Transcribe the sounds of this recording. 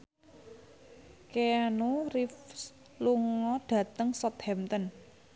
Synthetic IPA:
keanurifs | luŋɔɖ̥ä̤t̪əŋsɔt̪hɛmt̪ən

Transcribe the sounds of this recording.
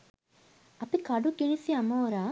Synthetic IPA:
ɐpikɐɖukiɳisiɐmoːɾa

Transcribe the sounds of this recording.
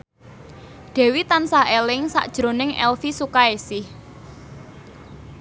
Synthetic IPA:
d̪̥ɛ̤wit̪ansahelɪŋsa̰ʔd̥ʒ̥ɾo̤nɪŋʔɛ̰lfisukaesɪh

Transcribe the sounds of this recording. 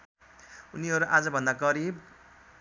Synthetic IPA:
uniɦʌɾuʔad͡zʌbʱʌnd̪aɡʌɾib̚

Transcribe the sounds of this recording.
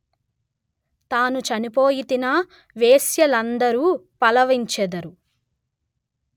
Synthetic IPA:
t̪aːnut͡ʃɐnipoːjit̪inɐ | ʋeːsjɐlɐnd̪ɐɾuːpɐlɐʋiɲt͡ʃɛd̪ɐɾu

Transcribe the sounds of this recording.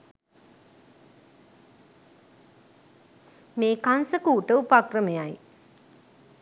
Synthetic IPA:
meːkansəkuːʈəupakrəmejaj

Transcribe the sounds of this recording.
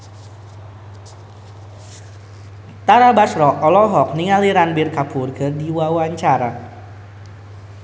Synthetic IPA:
t̪aɾabasɾɔʔɔlɔɦɔk̚niŋaliɾanbɪrkaburkərdiwawaɲt͡ʃaɾa

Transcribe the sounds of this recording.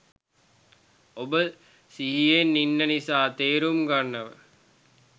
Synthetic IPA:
obə | siɦijenːinːənisaːt̪eːɾumɡanːəʋə̰

